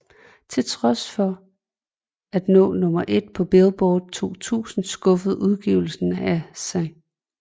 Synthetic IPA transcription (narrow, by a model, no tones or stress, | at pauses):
t͡sʰe̝lt͡sʰʁɒ̽sfɒ̽ | æd̥nɔ̰̽ːnɔ̽mɐʔe̝d̥̚pʰɒ̽b̥elˠb̥ɒːd̥̚t͡sʰo̝̰ːt͡sʰṵːsn̩sɡ̥ɔ̽fð̩ˠuð̞ˠɡ̥iʊl̩sn̩æsɑ̈ɪ